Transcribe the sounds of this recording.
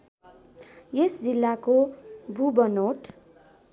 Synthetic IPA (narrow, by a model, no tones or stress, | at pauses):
jesd͡zilːakobʱubʌnoʈ